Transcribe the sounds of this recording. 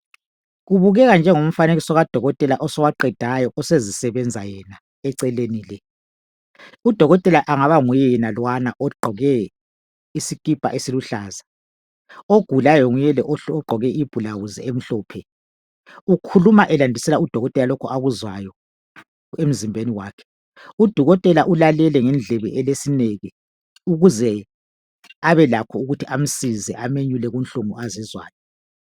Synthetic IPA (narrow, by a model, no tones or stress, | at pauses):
ɣuβuɣɛɣand͡ʒʱɛŋom̩faneɣisɔɣad̥ʱɔɣɔtʼɛlaʔɔsɔwaǃɛd̥ʱajɔʔɔsezisɛβɛnd͡zʱajɛna | ɛǀɛlenilɛ | ud̥ʱɔɣɔtʼɛlaʔaŋaβaŋujɛɛnalwanaʔɔɡ͡ǃʱɔɣɛ | isikʼipʼa̰ʔesiluɬaːza | oɡ̥ʱulajɔŋujɛlɛʔɔɡ͡ǃʱɔɣɛib̥ʱulaɣuzɛem̩ɬɔːpʰɛ | ukʰulumaʔɛlandʱisɛlaud̥ʱɔɣɔtʼɛlalɔkʰɔʔaɣuzwajɔ | em̩zimbʱeniwaːkʰɛ̥ | ud̥ʱɔɣɔtʼɛlaʔulalɛlɛŋɛnd͡ɮʱɛβɛʔɛlesineɣɛ | uɣuzɛ | aβɛlakʰɔuɣutʰiʔam̩sizɛʔameɲulɛɣunɬumuʔazizwa̰ːjɔ